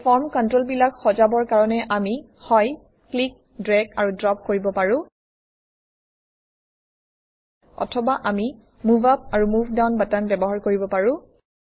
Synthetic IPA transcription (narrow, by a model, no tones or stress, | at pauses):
fʰɔɹmkɔntɹolbilakxɔzabɔɹkaɹɔnɛʔami | hɔj | klik̚ | dɹɛɡaɹudɹɔp̚koɹibɔpaɹʊ̃ | ɔ̰tʰɔbaʔami | muvap̚aɹumuvdawnbatanbɛbɔɦaɹkoɹibɔpaɹʊ̃